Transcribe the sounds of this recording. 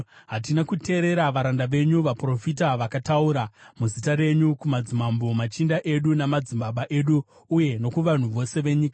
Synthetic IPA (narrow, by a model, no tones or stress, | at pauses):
ɦat̬inakute̞ːɾe̞ɾaʋaɾandaʋe̞ɲuʋapro̞fitaʋakatauɾamuzitaɾe̞ɲukumad͡zimambomat͡ʃindaʔe̞ɗunamad͡zimbaɓaʔe̞ɗuː | je̞no̞kuʋan̤uʋo̞se̞ʋe̞ɲika